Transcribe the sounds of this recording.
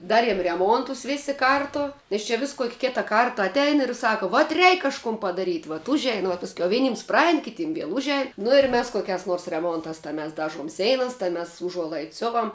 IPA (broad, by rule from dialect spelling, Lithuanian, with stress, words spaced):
ˈdɑːrʲiɛm rʲɛˈmuɔntʊs ˈʋʲeːsʲɪ ˈkɐrtʊ nʲɛs ˈt͡ʃʲɛ ʋʲɪs koːkʲ ˈkʲɪtɐ ˈkɐrtɐ ɐtʲˈɛɪn ɪr ˈsɑːkoː ʋɐt ˈrʲɛɪk kɐʃˈkʊm pɐdɐˈrʲiːtʲ ʋɐt ˈʊʒʲɛɪn ʋuɔ pɐsʲˈkʲɛʊ ˈʋʲæːnʲiːms ˈprɐɛɪn kʲɪˈtʲiːm ˈʋʲiɛlˠ ˈʊʒʲɛɪn nʊ ɪr ˈmʲɛs koːˈkʲæːs noːrs rʲɛˈmoːntɑːs tɑː mʲɛs ˈdɑːʒuɔm ˈsʲɛɪnɐs tɐɪ mʲɛs ʊˈʒuɔlˠɐɪts ˈsʲoːʋɐm